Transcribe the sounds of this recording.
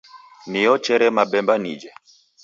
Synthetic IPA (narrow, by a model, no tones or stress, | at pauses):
nijɔt͡ʃɛɾɛmaɓɛmbanḭd͡ʒɛ